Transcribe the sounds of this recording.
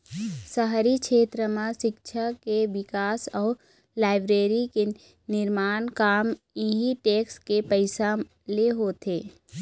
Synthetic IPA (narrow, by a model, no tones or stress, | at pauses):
səɦɾikʃʰeːt̪ɾəmãʃɪkt͡ʃʰakeʋɪkaːsɔː | laːɪbɾeːɾike | nɪɾmaːnkaːm | iɦiʈeːkskepəɪsa | leɦoːt̪ʰeː